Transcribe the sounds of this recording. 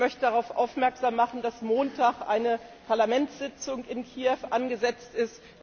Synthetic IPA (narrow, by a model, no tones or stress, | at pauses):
mœçtədaʁ̞aʊfʔa̰ʊfmɛɐkz̥aːmːaχn̩d̥asmoːntʰaːχʔaɪnəpʰaɐlamɛntsz̥ɪt͡sʊŋɪnkʰiːɛfʔanɡəzɛt͡stɪst